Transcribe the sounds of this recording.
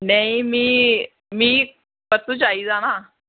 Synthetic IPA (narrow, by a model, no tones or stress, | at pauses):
naimiː | miː | pət͡s̪ut͡ɕaid͡zana